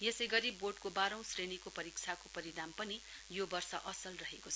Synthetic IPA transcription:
jesʌjɡʌɾiboʈkobaɾʌ̃w̃srenikopʌɾik̚t͡sʰakopʌɾiɽampʌnijobʌrsʌʔʌsʌlrʌɦekot͡sʰʌ

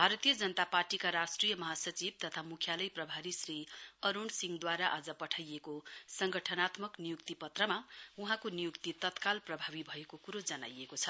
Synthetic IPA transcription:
bʱaɾʌt̪ijʌd͡zʌnʌt̪aparʈikaɾasʈrijʌmʌɦasʌt͡sib̚t̪ʌt̪ʰamukʰjalʌjprʌbʱaɾisriʌɾonsiŋɡd̪waɾaʔad͡zʌpʌʈʰajekosʌŋɡʌʈʰʌnat̪mʌknijuk̚t̪ipʌt̪rʌmauɦãkonijukt̪it̪ʌt̪kalprʌbʱabibʱʌekokuɾod͡zʌna̰jekot͡sʰʌ

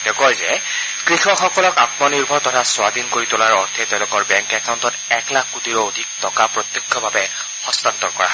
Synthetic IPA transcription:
d̥ekɔjzɛ | kɹixɔxɔkɔlɔkatmɔniɹbʱɔɹtɔtʰaswad̪inkoɹitʊlaɹɔɹt̪ʰɛtɛʊ̃lʊkɔɹbɛŋkɛkawntɔtɛklakʰːutiɹɔodʱik̚tɔkapɹɔt̪jɔkʰːjɔbʱabɛ | xɔstant̪ːɔɹkɔɹa

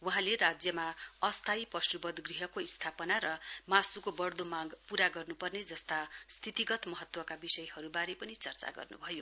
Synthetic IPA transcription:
wuɦãlerad͡zjʌmaʌst̪ʰajpʌsubʌd̪ɡriɦʌkoist̪ʰapʌnaɾʌmãsukobʌrd̪omaɡpuɾaɡʌrnupʌrned͡zʌst̪ast̪ʰit̪iɡʌt̪mʌɦʌt̪wʌkabisʌjhʌɾubaɾepʌnit͡sʌrt͡sa̰ɡʌ̰rnṵbʱʌjo

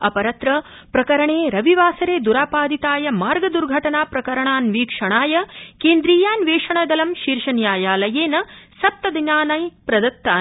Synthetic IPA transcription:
ɐpɐɾɐt̪ɾɐ | pɾɐkɐɾɐɳeːɾɐʋiʋaːsɐɾeːd̪uɾaːpaːd̪it̪aːjɐmaːɾɡɐd̪uɾɡʱɐʈɐnaːpɾɐkɐɾɐɳaːnʋiːkʂɐɳaːjɐkeːnd̪ɾiːjaːnʋeːʂɐɳɐd̪ɐlɐmʃiːɾʂɐnjaːjaːlɐjeːnɐsɐp̚t̪ɐd̪inaːnajpɾɐd̪ɐk̚t̪ːaː

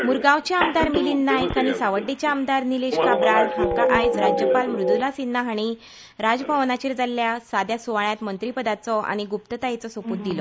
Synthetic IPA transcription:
muɾɡãwt͡ɕjaamd̪aɾmiliːnːajkaɽ̃isaʋəɖːet͡ɕjaəmd̪aɾnileɕkabɾalɦakaʔajd͡zɾad͡ʑjəpalmɾud̪ulasinːaɦaɽ̃i | ɾad͡zpaʋnat͡ɕiɾd͡zalːjasad̪jasuʋaɭjat̪mənt̪ɾipəd̪at͡sɔa̰ɽ̃iɡupt̪ət̪ajet͡sɔsopuːt̪̚d̪ilɔ

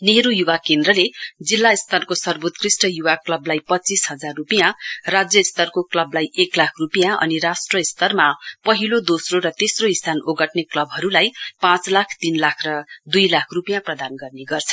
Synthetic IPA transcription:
neɾujuwakend̪rʌled͡zilːaist̪ʰʌnkosʌrbot̪krisʈʌjuwaklʌblajpʌt͡sisɦʌd͡zarːupijãrad͡zjʌst̪ʌrkoklʌblajʔeklakʰrupijãʔʌ̰niɾasʈrʌist̪ʌrmapʌɦilod̪osroɾʌt̪esroisanoɡʌʈneklʌbɦʌɾulajpãt͡slakʰt̪inlakʰrʌd̪ujlakʰrupijãprʌd̪anɡʌrneɡʌrt͡sʰʌ̥

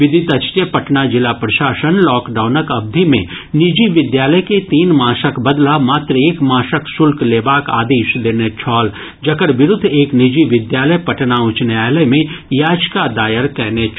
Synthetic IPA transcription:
ʋɪd̪ʱɪt̪ɐt͡ʃt̪jəpɐʈnad͡ʒɪlapɾɐʃaːʃənlɔːkɖaːʊnəkɐb̚d̪ʱimẽ | nɪd͡ʒiʋɪd̪jaːləjket̪iːnmaːʃəkbɐd̪lamaːt̪ɾəeːkmãːʃəksʊlkleːbaːka̰ːd̪eːʃd̪eːnet͡ʃʰɔːl | d͡ʒɐkəɾʋɪɾʊd̪ʱːeːknɪd͡ʒiʋɪd̪jaːləjpɐʈnaʊt͡ʃnaːləjmẽjaːd͡ʒkad̪aːjəɾkɛɦnet͡ʃʰ

